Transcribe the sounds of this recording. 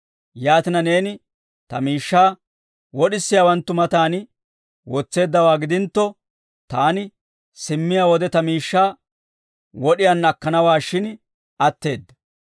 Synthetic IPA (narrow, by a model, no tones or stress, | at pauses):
jaːt̪ɪnɐne̞ːnɪ | t̪ɐmiːʃːaː | wɔɗɪsːɪjawɐnt̪ːʊmɐt̪aːn | wɔt͡sːe̞ːd̪ːɐwaːɡɪd̪ɪnt̪ːɔ | t̪aːnɪ | sɪmːɪjawɔd̪ɛt̪ɐmiːʃːaː | wɔɗɪjɐnɐkːɐnɐwaːʃɪn | ɐt̪ːe̞ːd̪ːɐ̥